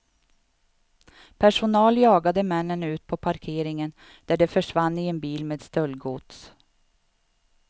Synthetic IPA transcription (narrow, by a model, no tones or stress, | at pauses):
pʰæʂʊnɑːljɑːɡad̪əmɛnːənʉ̟ːt̪̚pʰɔpʰaɾkʰeːɾɪŋən | d̪̥æɖɛfœʂvanːɪɛnbiːlmeːd̪st̪œlɡuːt̪s